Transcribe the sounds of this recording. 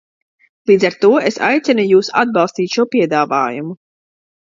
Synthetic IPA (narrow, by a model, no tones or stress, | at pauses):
lˠiːd̪zaɾt̪uɔesa̰jt̪sɛnujuːsa̰d̪̚bɑlˠst̪iːt̪ʃuɔpiɛd̪aːva̰ːjumu